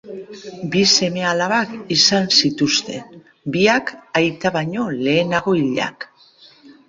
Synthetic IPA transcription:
bise̞me̞alaβakisansit̪ust̪e̞n | biakajt̪aβaɲo̞le̞ːnaɣo̞iʎa̰k

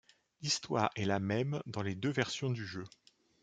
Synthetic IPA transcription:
list̪waːʁɛlamɛmd̪ɑ̃led̪øvɛʁsjɔ̃d̪yʒø

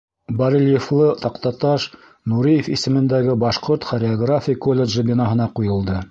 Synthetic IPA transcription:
bɐɾʲilʲjeflˠɤt̪ɑqt̪ɑt̪ɑʃ | nuɾijefḭsɘ̆mɘ̆nd̪æɡɘbɑʃqoɾt̪χoɾʲɪoɡrafʲijkolʲːeʒɘbʲinɑɦɤ̆nɑqujɤ̆lˠd̪ɤ

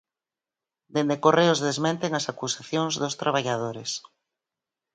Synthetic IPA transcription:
d̪end̪ekoreʊzðezmẽnt̪eŋasakusaθjoŋzðost̪ɾaβ̞aʎaðoɾes

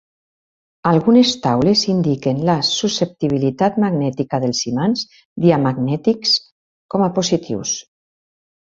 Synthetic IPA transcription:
alˠɣunest̪awlezind̪ikenlasusep̚t̪iβ̞ilit̪at̪maɡnɛt̪ikaðelˠsimans | d̪iamaɡnɛt̪iks | kɔmaposit̪ʰḭws

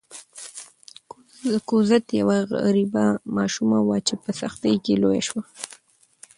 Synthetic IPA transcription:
kuzat̪jawaɣaɾibamɑʃumawat͡ʃepəsaxt̪əjkeloja̰ʃwa

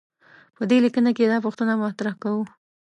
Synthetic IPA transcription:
pəd̪elikənaked̪ɑpoxt̪ənamat̪ɾahkawu

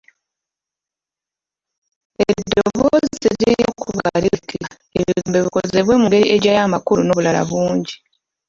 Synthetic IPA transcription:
edːoβoziɾiokʰuβalikʰa | eβiuːmbeβikoze̞βwe̞muŋɡe̞ɾiʔeɟajamakuluno̞ːβulala̰βuːɲɟi

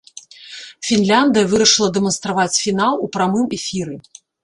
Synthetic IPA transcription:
fʲinlʲand̪ɨjɐvɨɾɐʂɨlˠɐd̪ɛmɐnst̪ɾavat͡sʲfʲinalˠupɾamɨmɛfʲiɾɨ

